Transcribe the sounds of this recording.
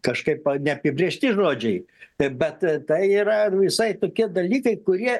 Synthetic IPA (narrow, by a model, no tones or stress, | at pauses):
kɐʃkɐɪpɐnʲɛɐpʲɪbʲɾʲeʃʲt̪ʲɪʒoːd͡ʒʲɛɪbʲɛt̪t̪ɐɪiːɾɐʋʲɪsɐɪt̪oːkʲiɛd̪ɐlʲiːkɐɪkʊɾʲiɛ